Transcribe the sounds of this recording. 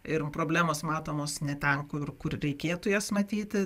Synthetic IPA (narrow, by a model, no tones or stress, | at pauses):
ɪrpɾoːbʲlʲæːmoːsmɑːt̪oːmoːsnʲɛt̪ʲɛnkʊrkʊrɾʲɛɪkʲeːt̪ʊjɛːsmɐt̪ʲiːt̪ʲɪ